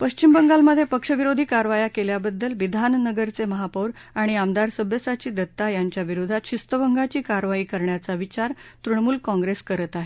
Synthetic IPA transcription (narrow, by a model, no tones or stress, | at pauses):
pəɕt͡ɕimbəŋɡalməd̪ʱːjepəkʂəʋiɾod̪ʱiːkaɾʋajakeljabəd̪ːəlʋid̪ʱannəɡəɾt͡seməɦapəwɾ | aɽ̃iamd̪aɾsəbʱjəsat͡ɕiːd̪ət̪ːajaɲt͡ɕjaʋiɾud̪ʱat̪ɕist̪əʋəŋɡat͡ɕiːkaɾʋaiːkəɾɳjat͡saʋit͡ɕaɾt̪ɾuɳmuːlkɔ̃ŋɡɾeskəɾət̪aɦe